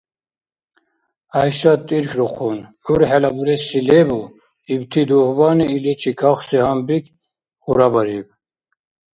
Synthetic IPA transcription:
ajʃat̪ʼiɾkʰɾɔqʰɔn | uɾħɛlabuɾɛsilɛbu | ibt̪ʰid̪uhbaniːlɛt͡ʃʰikʰaχsɛhambikʰ | χuɾabaɾib

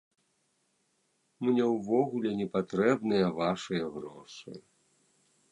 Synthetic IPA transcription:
mnʲɛwvɔɣulʲɛnʲɛpat̪ɾɛbnɨjɐvaʂɨjɐɣɾɔʂɨ̰

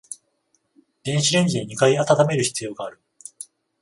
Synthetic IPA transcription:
d̪̥ẽ̞ɰ̃ɕiɾẽ̞ɲ̟d͡ʑid̪eɲ̟ikaiat̪at̪ame̞ɾɯ̟çi̥t͡sɨjo̞ːɡaːɾɯ̟

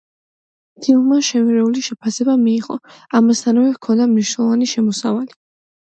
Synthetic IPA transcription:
t̪ʰilˠmaʃɛmiɾɛuliʃɛpʰasɛbamiːʁɔ̰amast̪ʰanvɛkʰɔnd̪amniʃnɛlˠɔvaniʃɛmɔsavali

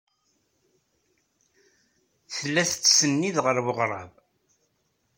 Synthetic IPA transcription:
θəlːæθt͡sːsənːiðʁəɾwəʁɾˤɑ̰v

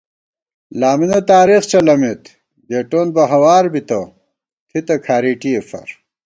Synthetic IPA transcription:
laːminɐt̪aːɾixt͡ɕɐlɐmet̪ | ɡeːʈoːnbɐɦɐwaːɾbit̪ɐ | t̪ʰit̪ɐkʰaːɾiːʈiefɐ̰ɾ

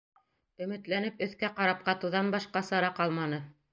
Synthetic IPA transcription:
ɵ̆mɘ̆t̪lænɘpɵ̆θkæqɑɾɑp̚qɑt̪ɤ̆wðɑnbɑʃqɑsɑɾɑqɑlˠmɑnɤ

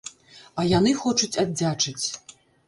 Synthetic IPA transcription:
ajanɨxoʈ͡ʂut͡sʲadʲdːʲaʈ͡ʂʰʼɨt͡sʲ

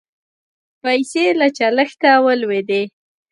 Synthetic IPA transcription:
pajselat͡ʃaləxt̪awəlwed̪e

